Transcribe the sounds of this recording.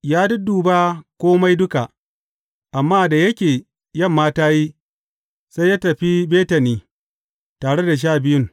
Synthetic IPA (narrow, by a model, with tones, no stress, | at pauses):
jaː˦dʊ˦duː˨baː˦kʷoː˦ma˦jdʊ˦ka˨ʔ | ʔa˨mːaː˦˨da˨jɐ˦kʲeː˨ | jɐ˦˨mːaː˦taː˦ji˦ | sa˦jaː˦tɐ˨ɸi˦beː˦tɐ˨niː˦ | taː˨ɽe˦da˨ʃ̬aː˦˨bɪ˦jʊ˦ŋ